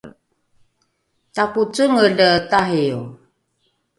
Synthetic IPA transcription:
takut͡səŋədətaɦiu

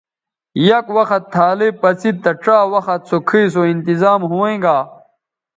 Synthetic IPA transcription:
jɐkwɐxɐt̪ʰːaːlipɐt͡sit̪ːɐʈ͡ʂaːwɐxɐt̪̚sokʰiːsoint̪izaːmɦuẽɡaː

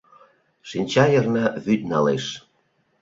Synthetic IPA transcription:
ʃinʲt͡ɕɑjɤ̆rnɑβyt̪̚ʲnɑleʃ

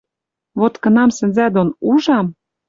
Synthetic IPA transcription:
βot̪kɤ̆nɑmsɘ̆nzæd̪onuʒɑm

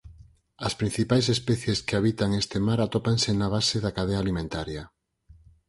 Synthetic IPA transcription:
ɐspɾin̟θipajsespɛθjeskeaβit̪aŋest̪emaɾat̪ɔpaŋsenaβ̞aseðakað̞eaːlimẽnt̪aɾja

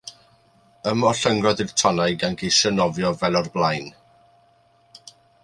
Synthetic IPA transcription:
əmɔɬəŋɡrɔðɪr̥tʰɔnajɡanɡejsənɔvjɔvɛlˠɔrblˠajn

